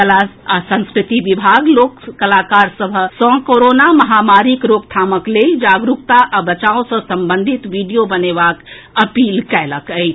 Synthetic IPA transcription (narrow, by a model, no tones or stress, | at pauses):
kəlaasə̃nskɾit̪iʋibʱaɡlokkəlakaɾsəbʱsɔ̃koɾonaməɦamaɾikɾokt̪ʰaməkled͡ʒaɡɾukt̪aʔabət͡ʃaõsə̃səmbənd̪ʱit̪ʋiɖijobəneʋak | əpilkɛləkəjt͡ʃʰ